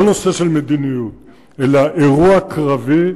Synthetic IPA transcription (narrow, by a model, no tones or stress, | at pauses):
nɔ̃seʃɛlmed̪ineu | ɛlaʔeʁuakʁave